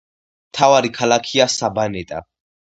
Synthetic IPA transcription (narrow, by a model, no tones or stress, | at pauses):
mt̪ʰavaɾikʰalakʰiasabanɛt̪ʼa̰